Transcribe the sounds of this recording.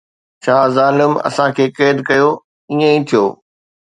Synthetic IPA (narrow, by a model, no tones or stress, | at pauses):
t͡ɕʰaːzaːlɪmɐ̰sãkʰeːkeːd̪kɐjo | iːẽĩt̪ʰijoː